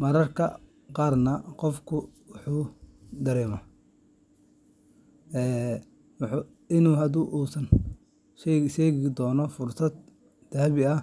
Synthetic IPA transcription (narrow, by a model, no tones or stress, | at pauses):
mɐɾɐrkʰɐ | qɑːrnɐqɔfkʰʊwʊħuːd̪ɐɾɛːmɐ | ɛː | wħu | ɪnuːɦɐd̪uːʔuːsɐn | ʃɛʃɛːɣɪd̪ɔːnɔfʊrsɐd̪̚ | d̪̥aːβɪɐ